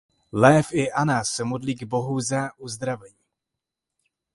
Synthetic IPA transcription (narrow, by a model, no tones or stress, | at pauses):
lɛːfɪʔanassɛmodliːɡbo̞ɦuzaːʔuzd̪ɾavɛɲiː